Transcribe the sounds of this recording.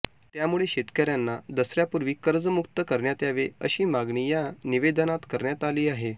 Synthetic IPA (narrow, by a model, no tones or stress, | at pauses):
t̪jamuɭeɕet̪kəɾjanːad̪əsɾjapuɾʋiːkəɾd͡zəmukt̪əkəɾɳjat̪jaʋeə̰ɕiːmaɡɳijaniʋed̪ənat̪kəɾɳjat̪aliːaɦe